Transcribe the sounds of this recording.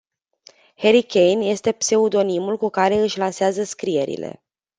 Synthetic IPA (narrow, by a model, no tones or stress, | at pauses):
he̞ɾikʲe̞jnje̞st̪e̞pse̞ud̪o̞nimulkukaɾe̞ɨʃʲlanseazəskɾije̞ɾḭle̞̰